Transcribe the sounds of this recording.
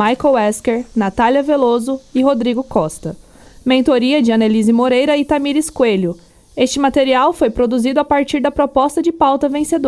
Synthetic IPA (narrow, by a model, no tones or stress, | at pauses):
ajkowɛskeɾnat̪aliɐvelozʊɪɦod̪ɾiɡʊkɔst̪ɐ | mẽnt̪oɾiɐd͡ʒɪɐ̃nelizɪmoɾejɾɐɪt̪amiɾɪskweʎʊ | est͡ʃɪmat̪eɾiawfojpɾod̪uzid̪ʊapaɾt͡ʃiɾd̪ɐpɾopɔst̪ɐd͡ʒɪpawt̪ɐvẽsed̪o